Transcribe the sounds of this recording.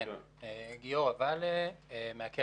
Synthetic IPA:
eɡijoʁavaleemeakʰe

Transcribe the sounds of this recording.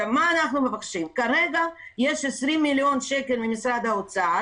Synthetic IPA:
amaːnaχnumefaχʃimkaʁeɡajeʃesʁimːiljo̞nʃeke̞lmimisʁad̪aot͡saa

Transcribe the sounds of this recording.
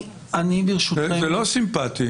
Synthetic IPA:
anibiʁʃuezelosimpat̪i

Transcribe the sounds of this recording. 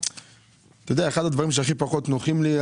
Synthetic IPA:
t̪ojod̪eaeχad̪ad̪vaʁimʃ̬eaχipaχot̪noχimli

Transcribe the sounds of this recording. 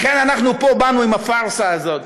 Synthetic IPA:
χenanaχnupobanuimafaʁsaːzo̞t̪

